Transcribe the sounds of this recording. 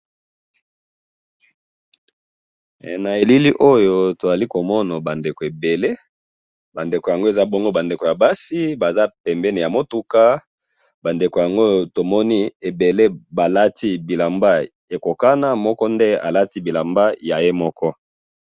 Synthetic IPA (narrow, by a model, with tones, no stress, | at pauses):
na˨e˨li˦li˦ʔo˦jo˦to˨za˨li˦ko˨mɔ˦na˨ba˨nde˨ko˨e˨be˨le˦ | ba˨nde˨ko˨ja˨ŋɡo˦e˨za˦bɔ˦ŋɡo˦ba˨nde˨ko˨ja˨ba˦si˦ba˨za˦pɛ˨mbɛ˦ni˨ja˨mo˦tu˦ka˦ | ba˨nde˨ko˨ja˨ŋɡo˦to˨mɔ˦ni˦e˨be˨le˦ba˨la˦ti˦bi˨la˨mba˦ | e˨ko˨ka˦na˦mɔ˦kɔ˦nde˦a̰˨la˦ti˦bi˨la˨mba˦ja˨je˦mɔ˦kɔ˦